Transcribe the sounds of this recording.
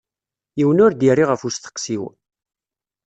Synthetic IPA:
jiwənʊɾd̪irːiʁəfust̪ə̥qːsiw

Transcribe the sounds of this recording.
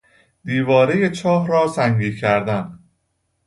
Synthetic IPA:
d̪̥iːvɒːɾe̞je̞t͡ʃʰɒːɦɾɒːsæŋɡiːcʰæɾd̪æn

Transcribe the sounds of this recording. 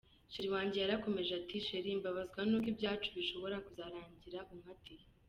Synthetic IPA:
ʃiɾiwaːɲɟejaɾako̞me̞ʒatiʃeɾiːmbaβazɡwanuk̬ibɟaːt͡ʃuβiʃo̞βo̞ɾakuzaɾaːɲɟiɾaʔuŋati

